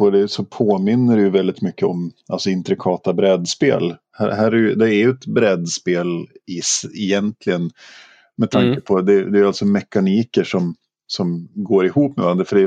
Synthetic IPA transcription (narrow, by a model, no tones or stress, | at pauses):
ɔd̪ɛsɔpʰoːmɪnːəɖɛjɵvɛld̪ɪt̪mʏkːəɔmʔalsɔɪnt̪ɾɪkʰɑːt̪abɾɛd̪spḛːl | hæ̰ɦæːɾɛɾjɵd̪ɛːɾjɵɛt̪bɾɛd̪speːlɪsɛjɛnt̪ʰlɪɡən | mɛt̪ʰaŋkəpʰɔd̪ɛd̪ɛjalt̪sɔmɛkːaniːkəʂɔm | sɔmɡoːɾɪhuːpːmɛ̰vaɾand̪ɾəfœɖɛ